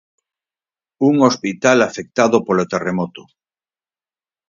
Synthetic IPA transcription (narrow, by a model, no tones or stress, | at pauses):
uŋospit̪alafek̚t̪aðopolot̪eremot̪o